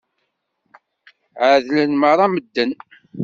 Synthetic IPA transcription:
ʕəðlənməɾˤɑməd̪ːən

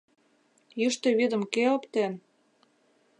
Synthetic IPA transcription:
jyʃt̪ĕβid̪ə̆mkeopt̪en

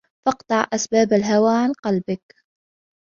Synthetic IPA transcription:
fɑqt̪ˤɑʕʔasbaːbalɦawaːʕanqɑlbɪk

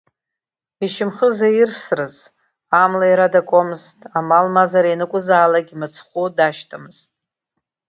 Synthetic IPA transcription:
iʃɪmχəzajirsrɨz | amlaiɾadakʼomɨztʼamalmazaɾenɨkʷʼʊzaːlaɡʲimat͡sʰχʷudaʃtʰamɨz̥tʼ

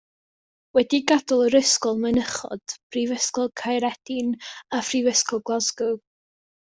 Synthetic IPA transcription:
wɛdiɡadɔlˠəɾəskɔlˠmənəχɔ̰d̥pʰrivəskɔlˠkʰajɾɛd̥ɪnafrivəskɔlˠɡlˠazɡu

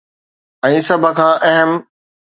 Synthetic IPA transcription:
ɛ̃ːsɐbʱə̆kʰãːʔɛɦəm

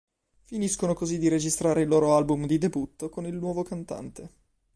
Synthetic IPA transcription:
finiskonokozid̪iɾed͡ʒist̪ɾaːɾeilːoːɾoalbumd̪id̪ebut̪ːokonilnwɔːvokant̪a̰nt̪e

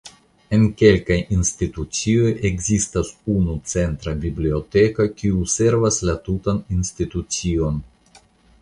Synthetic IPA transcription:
e̞nke̞lkajinstitut͡sio̞je̞ɡzistasunut͡se̞ntɾabiblio̞te̞kakiuse̞ɾvaslatutaninstitut͡sio̞n

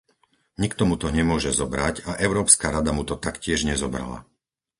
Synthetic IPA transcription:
ɲikt̪ɔmut̪ɔɲɛmʊɔʒɛzɔbɾacaʔɛʊɾɔːpskaɾad̪amut̪ɔt̪akcɪɛʒɲɛzɔbɾa̰la̰

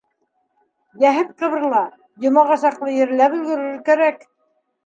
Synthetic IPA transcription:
jæɦɘt̪̚qɤ̆βɤ̆ɾlˠɑ | jŏmɑʁɑsɑqlˠɤjɘ̆ɾlæpɵ̆lɡɵ̆ɾɵ̆ɡɘkæɾæk

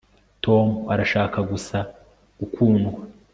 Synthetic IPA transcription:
tʰo̞muaɾaʃaːkʰaɡusa | ɡukʰuːŋɡwa

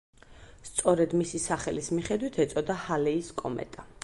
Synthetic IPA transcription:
st̪sʼɔɾɛd̪misisaχɛlismiχɛd̪wit̪ʰɛt̪sʼɔd̪ahalɛiskʼɔmɛ̰t̪ʼa

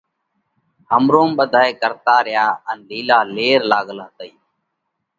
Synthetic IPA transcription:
həmɾoːmɓəd̪ʱaːeːkəɾt̪aːɾɪjaːənliːlaːleːɾlaːɠlaːt̪əiː

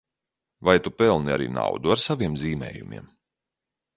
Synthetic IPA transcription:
vajt̪upɛlˠnia̰ɾḭːna̰wd̪uaɾsavʲiɛmziːmɛ̰ːjumʲḭɛm

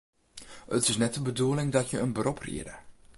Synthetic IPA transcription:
ətɪsnɛt̚dəbəduəlɪŋdɑtjəənbərɔpʰrḭədə̰

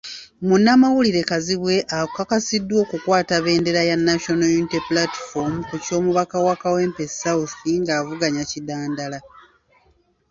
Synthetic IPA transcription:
munːamawuliɾe̞kaziβwe̞ʔakakasidːwo̞ːkukwaːtaβe̞ːnde̞ɾajanːaʃo̞nojuniteplatfo̞mkuco̞ːmuβakawakawe̞ːmpesauθiŋɡaːvuɡaɲacidaːndala

